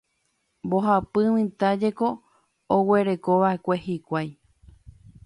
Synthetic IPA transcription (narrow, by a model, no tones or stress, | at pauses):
mbo̞ɦapɨwĩt̪ad͡ʒe̞ko̞ː | we̞ɾe̞koʋaekʷe̞hikʷaj